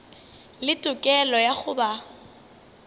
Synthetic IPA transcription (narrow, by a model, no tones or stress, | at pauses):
lɪtʼʊkʼɛlɔjaχʊba